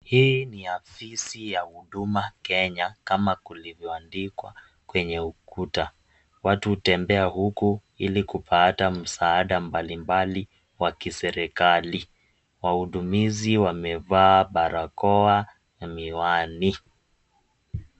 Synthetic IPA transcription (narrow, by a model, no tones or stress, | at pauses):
hiːniafisijahuɗumakɛɲakamakulivjɔandikwa | kwɛɲɛukuta | watuhutɛmbɛahuku | ilikupʰatam̩saːɗambalimbali | wakisɛɾɛkali | wahuɗumiziwamɛvaːɓaɾakɔa | miwani